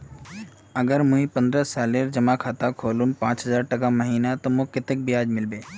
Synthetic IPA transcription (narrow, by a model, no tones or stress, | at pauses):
əɡəɾmʊ̃ĩpə̃nd̪ɾəsaːleːɾd͡ʒɐmakʰaːt̪akʰoːlũnpãːt͡ʃɦəzaːɾʈɐkaməɦiːnat̪omokɪt̪ɪk̚bijaːd͡ʒmɪlbeː